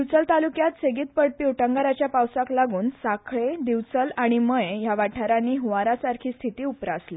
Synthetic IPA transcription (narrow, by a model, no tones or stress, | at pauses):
iʋt͡səlt̪alukjat̪seɡiːt̪̚pəɽpiːuʈəŋɡaɾat͡ɕjapawsaklaɡuːnsakʰɭed̪iʋt͡səlaɽ̃iməjjaʋaʈʰaɾanːiːɦuʋaɾasaɾkʰiːst̪ʰit̪iːupɾaəsle